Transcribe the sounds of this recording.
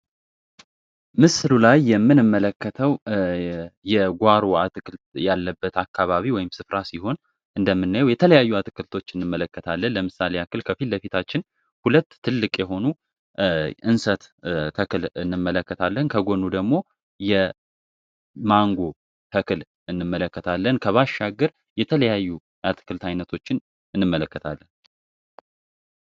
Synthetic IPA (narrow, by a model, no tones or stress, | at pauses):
mɨslulajːɛmːɨnɨmːələkːət̪ʰəw | jɛɡʷaɾuat̪ʼɨkʼɨlt̪jalːəbːət̪akːaβaβiwɔjɪmsɨfɾasiɦo̞n | ʔɨnd̪əmːɨnːajwjɛt̪ʰələjajːuat̪ʼɨkʼɨlt̪ʰo̞t͡ʃːɨnːɨmːələkʰːət̪ʰalːənləmɨsaleakːɨlkʰəfilləfit̪ʰat͡ʃːɪn | hulət̪ʰːɨlːɨkʼjɛɦo̞nu | ʔɨnsət̪t̪ʰəkɨlɨnːɨmːələkːət̪ʰalːənkʰəɡo̞nud̪əɡmo̞ | jɛ | maŋɡo̞ | t̪ʰəkʰɨl | ɨnːɨmːələkːət̪ʰalːənkʰəβaʃːaɡəɾ | jɛt̪ʰələjajːu | ʔat̪ʰɨ̥kʰɨlt̪ʰajnət̪ʰo̞t͡ʃːɪn | ɨnːɨmːələkːət̪ʰalːən